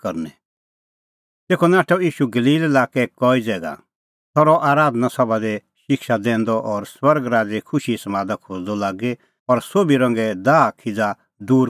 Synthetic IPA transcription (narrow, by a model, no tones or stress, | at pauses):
kɐɾnɛ | t̪eːkʰɔnaːʈʰɔiːʃuɡəliːlɛlaːkɛkɔid͡zɛːɡa̰ | t̪ʰɔɾɔʔaːɾaːd̪nasɐbad̪e | ʃɪkʃad̪ɛ̃ːnd̪ɔʔɔːɾswɐɾɡɾaːd͡zekʰʊʃisɐmaːd̪akʰoːd͡zd̪ɔlaːɡe | ɔɾsobiɾɐ̃ŋɡɛd̪aːkʰɪd͡za | d̪uːɾ